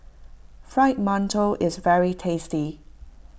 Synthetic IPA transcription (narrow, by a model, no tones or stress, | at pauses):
fɹaɪt̚mʌ̃ntʰəlɪzvɛɹitʰeɪsti